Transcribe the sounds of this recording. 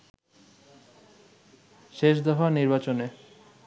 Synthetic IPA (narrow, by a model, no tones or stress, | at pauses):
ʃeʃd̪ɔfaniɾbat͡ɕone